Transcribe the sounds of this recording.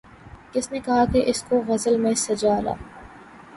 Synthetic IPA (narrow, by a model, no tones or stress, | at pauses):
kɪsnekɐɦakeʔɪskoɣɐzəlmẽsɐd͡ʒaːla̰ː